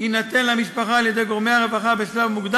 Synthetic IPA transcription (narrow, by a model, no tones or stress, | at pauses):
inat̪enlamiʃpaχaːljed̪e̞jɡo̞ʁmejhaʁevaχabeslavmuɡd̪a